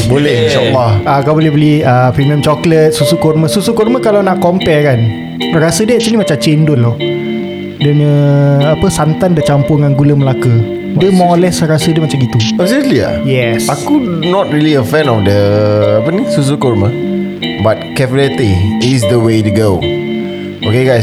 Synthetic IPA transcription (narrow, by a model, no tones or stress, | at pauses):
bolɛhinʃaəlːɔhakabolɛbəliəpimə̃mt͡ʃɔklət̪̚susukɔrməsusukɔrməkalawnaʔkɔmpɛkan | rasədəat͡ʃamnĩmat͡ʃat͡ʃendʊtlɔ | dəŋə̃apəsant̪andət͡ʃampʊŋanɡuləməlakə | dəmɔlɛsrasədəmat͡ʃamɡit̪uɔsitlia̰jɛsakunɔt̚ɹiliəfɛ̃nɔfdəapənĩsus̬ukɔɾmə | bat̚kɛfəlɛt̪iisdəwetuɡow | ʔokeɡajs